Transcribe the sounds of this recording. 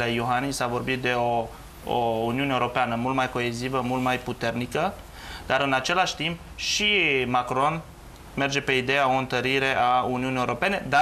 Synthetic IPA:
lejoɦanisavo̞rbit̪̚d̪e̞o̞ | ouniuneuɾo̞peanəmult̪majko̞e̞zivəmult̪majput̪e̞rnikə | d̪̥aɾɨnat͡ʃe̞laʃt̪imp | ʃimakɾo̞n | me̞rd͡ʒe̞pe̞id̪e̞jao̞ɨnt̪əɾiɾe̞ʔauniunijeuɾo̞pe̞ne̞d̪a

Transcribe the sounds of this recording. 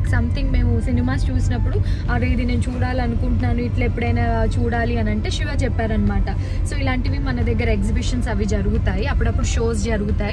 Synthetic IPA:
sɐmt̪ʰiŋɡme̞ːmusinimaːst͡ʃuːsinɐpːuɽuɐɾejd̪ine̞ːnut͡ʃuːɽaːliɐnukuɳʈunaːnuiʈlepːuɽɐjnat͡ʃuːɽaːliɐnɐɳʈe̞ːʃiʋaːt͡ʃɛpːaːɾɐnɐmaːʈɐ | so̞ːilaːɳʈiʋimɐnɐd̪ɐɡːɐɾɐeksibiʂɐnsɐʋid͡ʒɐɾuɡut̪aːjiɐpːuɽɐpːuɽuʃo̞ːs̬d͡ʒɐɾuɡut̪aːji

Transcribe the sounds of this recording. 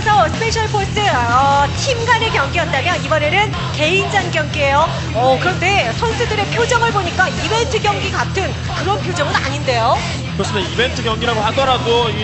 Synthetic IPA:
esʰʌsʰɯ̥pʰe̞ɕʰʌɭpʰos͈ɯʌtʰimɡane̞kjʌŋɡijʌt̚t͈amjʌnibʌne̞nɯn | ke̞ind͡ʑanɡjʌŋɡie̞jo | ʌkɯɾʌnde̞sʰʌnsʰɯdɯɾe̞pʰjod͡ʑʌŋɯɭboɲik͈aibe̞ntʰɯɡjʌŋɡiɡatʰɯn | kɯɾʌnpʰjod͡ʑʌŋɯna̰ɲinde̞jo | kɯɾʌs͈ɯmeibe̞ntʰɯɡjʌŋɡiɾaɡohadʌɾadoi

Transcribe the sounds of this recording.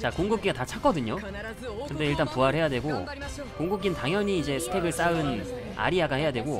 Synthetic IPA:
t͡ɕakoŋɡuk͈iɡatat͡ɕʰak͈ʌdɯɲo | kɯɾʌnde̞iɭt͈anpuaɾɭhe̞jadwe̞ɡo | koŋɡuk͈intaŋjʌɲiːd͡ʑe̞sʰɯ̥tʰe̞ɡɯɭs͈aɯn | a̰ɾiaɡahe̞jadwe̞ɡo

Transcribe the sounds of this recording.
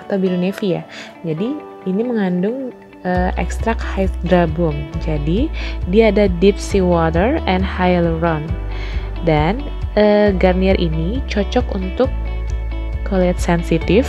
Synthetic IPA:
at̪awbiɾunefia | d͡ʒadi | iniməŋandʊŋ | əʔɛ̰kst̪ɾakhajt̪̚dɾabʊmd͡ʒadidiaːdadip̚siwɔt̪ərɛnhajlrɔn | dan | əɡarniɛrʔinit͡ʃɔt͡ʃɔkunt̪ʊkː | olɛɛt̪̚sɛnsit̪ɪf

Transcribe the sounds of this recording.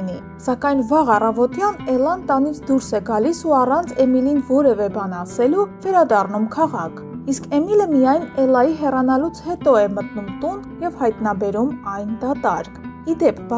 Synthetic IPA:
ni | sɑkɑjn̪vɑʁɑrɑvɔt̪jɑnɛlɑnt̪ɑnit͡sʰd̪uɾsɛɡɑlisuɑrɑnt͡sʰɛmilinvɔɾɛvɛbɑnɑsɛluvɛɾɑd̪ɑrnumkʰɑʁɑkʰiskɛmiləmijɑjnɛlɑjiɦɛrɑnɑlut͡sʰhɛt̪ɔɛmət̪numt̪und̪jɛvhɑjt̪nɑbɛɾumɑjnd̪ɑt̪ɑ̰ɾkʰid̪ɛp̚ʰb

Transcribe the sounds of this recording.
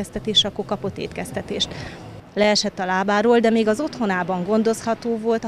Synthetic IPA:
ɛst̪ɛt̪eːʃɒkːokɒpo̞t̪ːḛːt̪kɛst̪ɛt̪eːʃt̪ | lɛɛʃɛt̪ːɒlaːbaːɾoːld̪ɛmeːɡɒzo̞t̪ho̞naːbɒŋɡo̞nd̪o̞shɒt̪oːvo̞lt̪

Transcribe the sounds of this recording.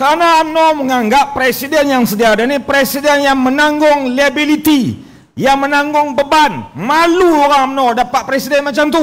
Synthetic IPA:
kaɾnaːmnoməŋaŋɡapːɾesidɛnjaŋsədiaːdanipɾesidɛnjaŋmənaŋɡʊŋliabilit̪i | jaŋmənaŋɡʊŋbəbanmaluoɾaŋamnodapat̪̚pɾesidɛnmat͡ʃamt̪u

